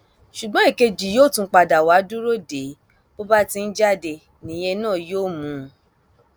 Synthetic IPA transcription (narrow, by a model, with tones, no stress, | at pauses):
ʃu˨ɡ͡bɔ̃˨˦e˦˨ke˧d͡ʒi˨joː˦˨tũ˧˦k͡pa˧da˨wa˨˦du˦ɾo˦de˨˦ | bo˦ba˦ti˧n̩˦d͡ʒa˦˨de˧ | nĩ˨j̃e˧nãː˦˨joː˦˨mũ˨˦